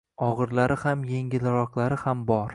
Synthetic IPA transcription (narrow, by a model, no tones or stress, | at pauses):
ɒʁɨɾlaɾɪhamjeŋʲɪlaɾɒqlˠaɾɪhambɒɾ